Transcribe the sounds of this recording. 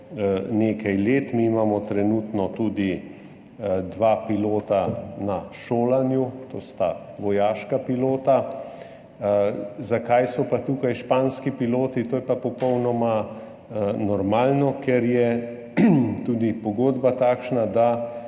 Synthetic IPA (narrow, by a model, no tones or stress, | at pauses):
neːkajleːt̪miimaːmɔt̪ɾɛnuːt̪nɔt̪uːd̪i | d̪ʋaːpiloːt̪anaʃoːlanjut̪oːst̪aʋɔjaːʃkapiloːt̪a | zakajsɔpat̪uːkajʃpaːnskipiloːt̪it̪oːjɛpapɔpɔwnɔma | nɔɾmaːlnɔkɛɾjɛ | t̪uːd̪ipɔɡoːd̪bat̪aːkʃnad̪a